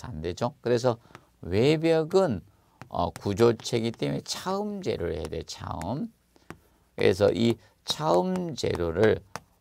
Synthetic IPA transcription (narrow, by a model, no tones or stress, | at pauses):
anded͡ʑokɯɾe̞s̬ʰʌ | we̞bjʌɡɯn | ʌ̰kud͡ʑot͡ɕʰe̞ɡit͈emet͡ɕʰaɯmd͡ʑe̞̰ɾoɭhedḛt͡ɕʰa̰ɯm | kḛs̬ʰʌ̰ʔi | t͡ɕʰaɯmd͡ʑe̞̰ɾoɾɯɭ